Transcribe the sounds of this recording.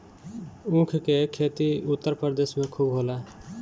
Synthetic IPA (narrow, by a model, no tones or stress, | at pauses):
ũkʰkekʰet̪iʊt̪ːəɾpəɾd̪eːsmẽkʰubɦoːla